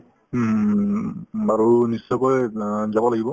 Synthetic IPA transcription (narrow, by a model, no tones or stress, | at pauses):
aɹunisːɔkɔjzabɔlaɡibɔ